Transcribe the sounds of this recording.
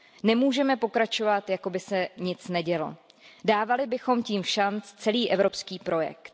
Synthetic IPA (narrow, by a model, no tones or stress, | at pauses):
nɛmuːʒɛmɛpo̞kɾat͡ʃo̞vat̪jako̞bɪsɛɲɪt͡snɛɟɛlo̞̰ | daːvalɪbɪxo̞mciːmʃant͡st͡sɛliːʔɛvɾo̞pskiːpɾo̞jɛ̰k̚t̪